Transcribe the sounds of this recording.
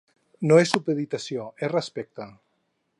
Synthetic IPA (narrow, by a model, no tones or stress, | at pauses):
noesupeðit̪asioesrespɛk̚t̪a